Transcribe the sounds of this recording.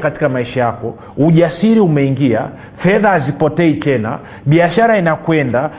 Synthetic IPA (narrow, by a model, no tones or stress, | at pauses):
kati̥kamaiʃajakɔ | uʄasiɾiumɛiŋɡia̰ | fɛðaːzipɔtɛit͡ʃɛna̰ | ɓiaʃaɾainakwɛnda